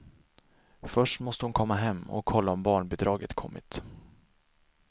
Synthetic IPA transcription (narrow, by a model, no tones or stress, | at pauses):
fœʂʈmɔst̪əhʊnkʰɔmːaɦɛmːɔ̰kʰːɔlːaɔmbɑːɳbɛd̪ɾɑːɡət̪kʰɔmːɪ̰t̪